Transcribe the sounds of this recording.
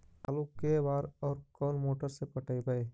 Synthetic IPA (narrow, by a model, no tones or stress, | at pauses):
aːlukːebaːɾɔːɾkɔːnmoːʈəɾsepəʈʰəibəe